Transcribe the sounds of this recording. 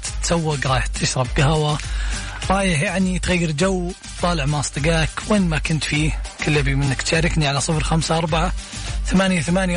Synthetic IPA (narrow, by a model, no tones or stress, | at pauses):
t̪sawːɪɡɾˤɑːjɪħt̪ʰɪʃɾˤɑb̚ɡɪɦawa | ɾˤɑːjɪħjaʕnit̪ɣajːɪɾd͡ʒawː | t̪ˤɑːlɪʕmaʔsˤt̪ˤɨɡaːkweːnːmakʊnt̪fiːkɪlːabimɪnːɪkt̪ʃaːɾɪkniʕalasˤɨfɾxamsaʔɑɾˤbaʕaθamaːnjaθamaːnja